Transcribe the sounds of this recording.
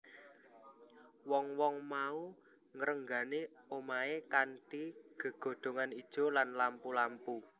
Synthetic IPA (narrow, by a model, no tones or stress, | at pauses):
wɔŋwɔŋmau | ŋəɾəŋɡa̤neomaekaɳʈiɡ̥ə̤ɡ̥o̤ɖ̪̥o̤ŋanid̥ʒ̥o̤lanlampulampu